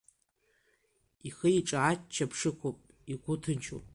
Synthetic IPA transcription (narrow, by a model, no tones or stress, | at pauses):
iχəiʈ͡ʂʼaat͡ʃt͡ʃʰːapʰʂɨkʷʰopʼ | iɡʷʊtʰɨnt͡ʃʰo̰pʼ